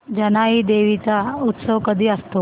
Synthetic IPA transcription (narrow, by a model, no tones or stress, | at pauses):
d͡ʑənaɦiːd̪eʋit͡saut̪səʋkəd̪ʱiːəst̪o